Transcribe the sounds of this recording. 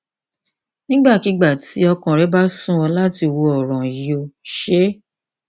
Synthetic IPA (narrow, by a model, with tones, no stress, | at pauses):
nĩ˦ɡ͡ba˦˨ki˨˦ɡ͡ba˦˨ti˨˦ɔ˧kã˨ɾɛ˨˦ba˦sũ˦˨ɔ˧la˦ti˧wo˧ɔ˨ɾ̃ɔ̃˨i˨o˧˨ʃe˦